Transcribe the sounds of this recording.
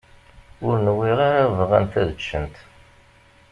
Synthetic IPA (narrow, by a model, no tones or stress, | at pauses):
ʊɾnəwːiʁaɾavˤʁənt̪æðət͡ʃːənt̪